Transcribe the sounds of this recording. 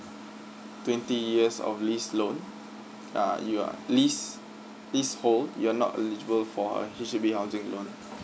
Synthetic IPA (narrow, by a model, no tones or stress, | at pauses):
twɛ̃ntijiəsɔ̰flislõn | a̰jua̰lis | lisholjuanɔ̰tə̰lid͡ʒəbəlfɔə̰hiʃubihaʊzɪ̃ŋlõn